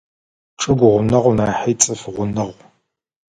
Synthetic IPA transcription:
ʈ͡ʂʼɨɡʷʊʁʷʊnɐʁʷnaːħijt͡sʼɨfʁʷʊnɨʁʷ

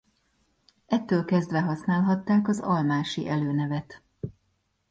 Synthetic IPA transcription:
ʔɛt̪ːøːlkɛzd̪ʋɛɦɒsnaːlɦɒt̪ːaːkɒzɒlmaːʃḭʔɛløːnɛvɛt̪

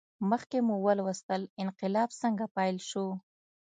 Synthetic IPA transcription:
məxkemuwəlwəst̪əlɪnqɪlɑbsəŋɡapɑjlʃo

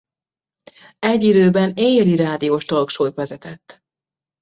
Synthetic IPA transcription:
ɛɟːid̪øːbɛneːjɛliɾaːd̪ijoːʃt̪olkʃoːt̪ʋɛzɛt̪ɛt̪ː

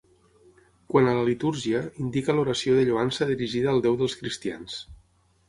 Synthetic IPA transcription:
kwanələlit̪uɾʒiəind̪ikəloɾəsioðəʎoansəðiɾiʒiðəːlˠd̪ɛwðəlˠskɾist̪ia̰ns

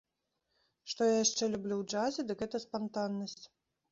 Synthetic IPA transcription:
ʂt̪ɔjajaʂt͡ʂɛlʲublʲuwd͡ʐazʲɛd̪ɨkɣɛt̪ɐspant̪anːɐsʲt͡sʲ

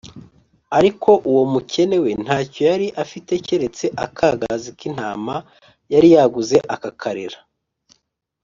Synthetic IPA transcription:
aɾikʰo̞ʔuwo̞muce̞ne̞we̞n̥haːco̞jaɾiʔafite̞ce̞ɾe̞t͡se̞ʔa̰kʰaːɡazikin̥a̰ːma | jaɾijaɡuze̞ʔakakʰaɾḛɾḁ

